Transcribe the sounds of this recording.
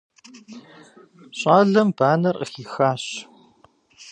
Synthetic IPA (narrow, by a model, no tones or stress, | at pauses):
ɕʼaːɮɐmbaːnɐrəxiːxaːɕ